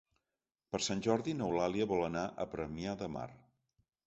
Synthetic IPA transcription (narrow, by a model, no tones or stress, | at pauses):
pəɾsanʲʒɔɾðinəwlaliəβɔlˠənaʔə̰pɾəmiaðəma̰r